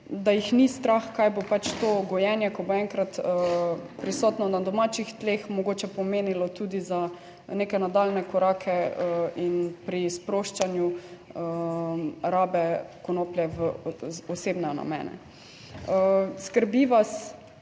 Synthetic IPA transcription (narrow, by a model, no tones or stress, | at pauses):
d̪ajixnist̪ɾaxkajbopat͡ʃt̪oːɡɔjɛnjɛkɔboɛŋkɾat̪ | pɾisɔːt̪nɔnad̪ɔmat͡ʃixt̪lexmɔɡoːt͡ʃɛpɔmeːnilɔt̪uːd̪iza | nekɛnad̪alnɛkɔɾaːkʰɛinpɾispɾoːʃt͡ʃanjuə | ɾaːbɛkɔnoːplʲjɛʋəɔseːbnɛna̰mɛ̰ːnɛ̰ | əskəɾbiʋas